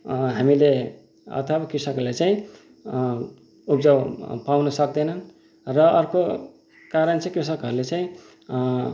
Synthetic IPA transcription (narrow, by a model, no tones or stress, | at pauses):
ɦamile | ʌ̰t̪ʰəbakɾisəklet͡saĩ | upd͡zawpawnʌsʌk̚d̪enʌn | ɾʌʌɾko | kaɾənt͡saĩkɾisəkʌɾulet͡saĩ